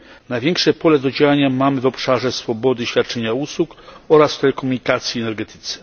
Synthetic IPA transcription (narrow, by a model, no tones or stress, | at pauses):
najvʲjɛŋkʂɛpɔlɛd̪ɔd͡ʑawaɲamamɘvɔpʂaʐɛsfɔbɔd̪ɘɕfʲjat̪̚t͡ʂɛɲauswukɔɾast̪ɛlɛkɔmuɲikat̪sʲjiɛnɛɾɡɛt̪ɘ̥t̪sɛ̥